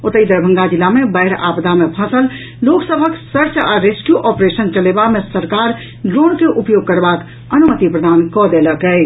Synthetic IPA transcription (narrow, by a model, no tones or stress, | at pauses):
ot̪əid̪əɾbʱə̃ŋɡad͡ʒilːamebəɪɾa̰pd̪ʱamepʰə̃səl | loksəbʱəksəɾt͡ʃaɾeskjuʔɔpɾesənt͡ʃəlebamesəɾkaɾ | ɖɾonkeʔupjoɡ̚kəɾbak | ənumət̪ipɾəd̪ankɔd̪eləkɛɪ